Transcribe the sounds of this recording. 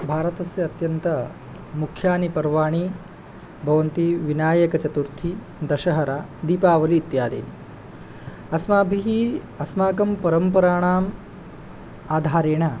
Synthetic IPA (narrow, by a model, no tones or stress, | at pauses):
bʱaːɾɐt̪ɐsjɐːt̪jɐnt̪ɐ | mukʰːjaːnipɐɾʋaːɳ̃iː | bʱɐʋɐnt̪iːʋinaːjɐkɐt͡ʃɐt̪uɾt̪ʰiː | d̪ɐʃɐɦɐɾaːd̪iːpaːʋɐliːt̪jaːd̪ḛːni | ɐsmaːbʱiɦiː | ɐsmaːkɐmpɐɾɐmpɐɾaːɳ̃aːm | aːd̪ʱaːɾeːɳ̃aː